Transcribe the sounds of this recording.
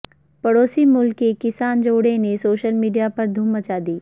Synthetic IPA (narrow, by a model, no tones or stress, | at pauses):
pɐɽoːsimʊlkːekɪsaːnd͡ʒoːɽẽnesoːʃəlmiːɖijapɐɾd̪ʱuːmːɐt͡ʃaːd̪iː